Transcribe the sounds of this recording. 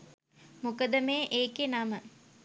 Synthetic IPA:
mukəd̪əmejʔeːkenamə

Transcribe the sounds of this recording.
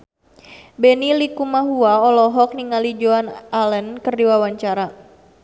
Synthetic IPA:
bɛnilikumaɦuaɔlɔɦɔk̚niŋalid͡ʒoanalɛnkərdiwawaɲt͡ʃaɾa

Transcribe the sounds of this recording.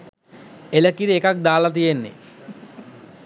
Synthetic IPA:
eləkiɾiekak̚d̪aːlat̪̬ijenːḛ

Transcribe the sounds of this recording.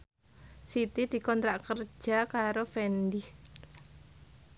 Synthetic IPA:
sit̪id̥i̤kɔnt̪ɾaʔkərd͡ʒ̥akaɾofɛndih

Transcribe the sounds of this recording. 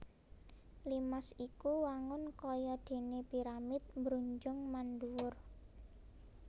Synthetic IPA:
limasikuwaŋʊnkɔjɔd̪̥e̤nepiɾamɪt̪̚mbɾuɲd͡ʒʊŋmanduwʊr

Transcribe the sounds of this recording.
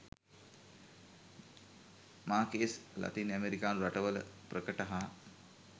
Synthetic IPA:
maːkeːsla̰t̪iːnæmeɾikaːnuɾaʈəʋələ̰prəkəʈaɦa

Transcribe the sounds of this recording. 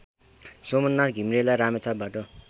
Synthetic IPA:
somʌnːaɡʱimɾelajɾamet͡sʰabʱaʈʌ

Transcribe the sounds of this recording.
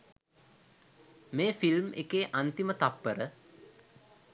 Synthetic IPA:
meːfilmḛkeːʔant̪imət̪apːəɾə

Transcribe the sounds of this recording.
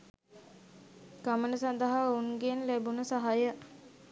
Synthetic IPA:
ɡ̥amənəsand̪əɦauŋɡenlæbunəsaɦajə

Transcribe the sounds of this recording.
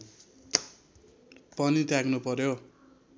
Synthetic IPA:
pʌnit̪jaɡnupʌɾjo

